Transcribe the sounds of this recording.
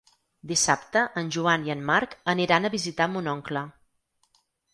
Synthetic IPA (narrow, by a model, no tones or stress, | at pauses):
d̪isapt̪əʔənʲʒuaniənmaɾkəniɾanəβizit̪amunɔŋklə